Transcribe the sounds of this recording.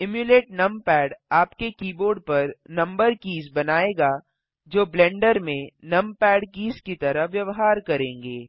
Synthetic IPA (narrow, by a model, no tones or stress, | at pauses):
ɪmjuleːʈnɐ̃mpɛːɖaːpkekiːboːɾɖ̚pɐɾnɐ̃mbəɾkiːzbɐnaːeːɡaː | d͡ʒoːblɛ̃ːɳɖəɾmẽnɐ̃mpɛːɖkiːzkit̪ɐɾəɦʋjɐʋɦaːɾkɐɾẽːŋɡeː